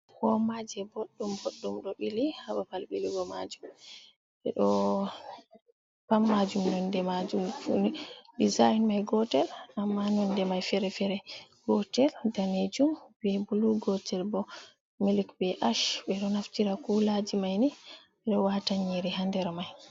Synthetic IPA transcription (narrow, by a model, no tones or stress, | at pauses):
hɔmad͡ʒɛboɗːumboɗːumɗɔɓilihaɓapalbiliɡɔma̰d͡ʒum | ɓɛ̰ɗɔ | pamːad͡ʒumnɔndɛmad͡ʒumfunɗizajnmajɡɔtɛlamːanɔndɛmajfɛɾɛfɛɾɛ | ɡ̥ɔtɛldaned͡ʒumbɛbuluɡɔtɛlbɔ | milikbɛʔaʃɓɛɗɔnaftiɾakulad͡ʒimajni | ɓɛɗɔwataɲiɾihandɛɾmaj